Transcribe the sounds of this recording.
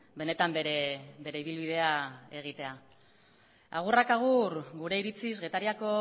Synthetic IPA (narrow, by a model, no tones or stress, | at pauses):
be̞ne̞t̪ambeɾebe̞ɾe̞iβ̞ilβið̞e̞ae̞ɣ̞it̪e̞a | a̰ɣ̞urakaɣ̞urɡuɾe̞iɾit͡sizɣe̞t̪aɾiako̞